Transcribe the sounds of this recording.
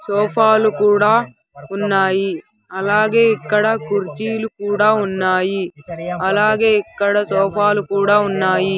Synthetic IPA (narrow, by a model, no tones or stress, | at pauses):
sɔːpʰaːlukuːɽaː | unːaːji | ɐlaːɡe̞ːikːɐɽɐkuɾt͡ʃiːlukuːɽaːunːaːjiɐlaːɡe̞ːikːɐɽɐsɔːpʰaːlukuːɽaːunːaːji